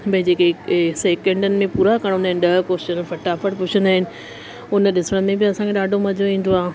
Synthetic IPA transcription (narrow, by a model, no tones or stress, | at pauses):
bɐɦɪ̃d͡ʑeːkeseːkẽɳɖənɪ̆mẽpuːɾakɐɽ̃ʊ̃naːɪn̆ɗɐɦkoːʃənfɐʈaːfəɽpʊt͡ɕʰənd̪aːɦɪnɪ̆ | ʊnəɗɪsəɽ̃mẽbɪɐsãŋkʰeɗaːɖʱomɐd͡ʑʱoĩːn̆d̪oaː